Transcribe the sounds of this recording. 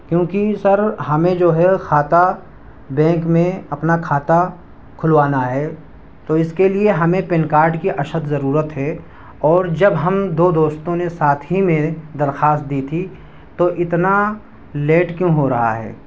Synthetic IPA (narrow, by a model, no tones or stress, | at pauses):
kjõːkisɐɾɦɐmẽd͡ʒoːɦɛxʰaːt̪a | bɛ̃ːŋkmẽɐpnakʰaːt̪a | kʰʊlʋaːnaɦɛː | t̪oɪskelieɦɐmẽpɪnkaːɾʈkiʔɐʃət̪zɐɾuːɾət̪ɦɛ | ɔːɾd͡ʒɐbɦɐmd̪oːd̪oːst̪õnesaːt̪ʰɦimẽd̪ɐɾxaːst̪̚d̪iːt̪ʰi | t̪oʔɪt̪na | leːʈkjõːɦoɾɐɦa̰ɦɛ̰ː